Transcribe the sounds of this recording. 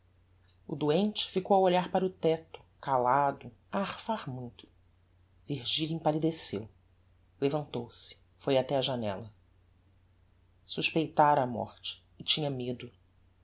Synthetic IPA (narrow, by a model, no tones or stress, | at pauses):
ʊd̪uẽnt͡ʃɪ̥fikowawoʎaɾpaɾɐʊt̪ɛt̪ʊ̥kalad̪ʊ | aːχfaɾmũj̃t̪ʊ̥ | viɾʒiʎʊĩpalid̪esḛw | levɐ̃nt̪owsɪ̥ | fojat̪ɛɐʒanɛ̰lɐ | suʃpejt̪aɾɐːmɔ̰χt͡ʃɪ̥ːt͡ʃĩɲɐmed̪ʊ